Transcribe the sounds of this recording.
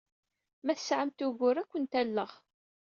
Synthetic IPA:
mæθə̥sʕamt̪ʊʝʷʊɾækʷːənt̪ælːəʁ

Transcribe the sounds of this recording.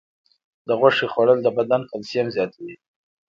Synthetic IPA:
d̪̥əɣwaʂeχwaɽəld̪əbad̪ankalsijamzjɑt̪ʰawi

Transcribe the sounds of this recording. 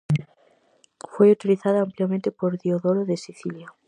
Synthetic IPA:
fojut̪iliθaðaampljamẽnt̪epoɾðioðoɾoðesiθilja

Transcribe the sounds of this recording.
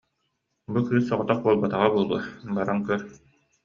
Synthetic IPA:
bukɯːsːɔʁɔt̪aq̚buɔlˠbat̪aʁabuɔlˠuɐbaɾaŋkœɾ

